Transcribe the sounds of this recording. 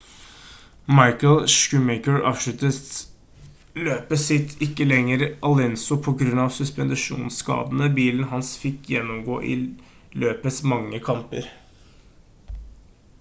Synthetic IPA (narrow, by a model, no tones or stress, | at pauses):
mɑɪkəlʃkʉmɛɪkəɹɑ̰ːʋʂʉt̪ət̪ | løːpəsɪt̪ʰɪkːəlɛŋːəɾʔɑlɛnsʊpʰɔɡɾʉnːɑʋsʉspɛnd̪ɑʂṵːnskɑ̰ːd̪ənəbiːln̩ɦɑnsfɪkːjɛnːʊmɡo̰ːʔɪ̰ | løːpəsmɑŋːəkʰɑmpə̰ɾ